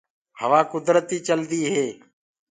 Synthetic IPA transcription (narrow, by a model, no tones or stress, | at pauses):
həʋaːkʊd̪ɾət̪iːt͡ʃəld̪iːɦeː